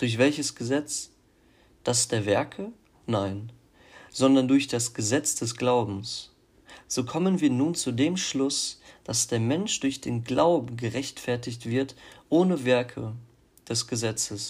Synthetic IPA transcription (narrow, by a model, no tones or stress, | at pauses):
d̥ʊɐçv̥ɛlçəsɡ̥əzɛt͡s | d̥asd̥eːɐvɛɐkʰə | naɪn | z̥ɔndɐndʊɐçd̥asɡ̥əzɛt͡sd̥ɛsɡ̥laʊbm̩s | z̥oːkʰɔmənviːɐnuːnt͡sudeːmʃlʊsd̥asd̥eːɐmɛnʃd̥ʊɐçd̥eːnɡlaʊbm̩ɡəʁɛçtfɛɐtɪçtv̥ɪɐtʔoːnəvɛɐkʰə | d̥ɛsɡ̥əzɛt͡səs